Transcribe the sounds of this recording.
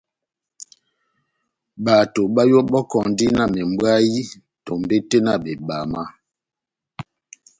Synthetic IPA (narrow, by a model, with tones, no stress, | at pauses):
ba˨to˨ɓa˦jɔ˦bɔ˦kɔ˨ŋ˦di˦na˦˨me˨m˦bwa˦ji˦ | tɔ˨m˨be˦te˦na˦˨be˨ɓa˨ma˦